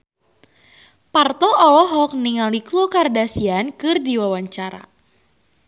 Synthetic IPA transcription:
part̪ɔʔɔlɔɦɔk̚niŋaliklukardasiankɨrdiwawaɲt͡ʃaɾa̰

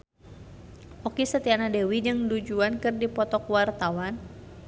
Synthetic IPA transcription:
ʔɔkisət̪ianadɛwid͡ʒɨŋdud͡ʒuankɨrdipɔt̪ɔkwart̪awan

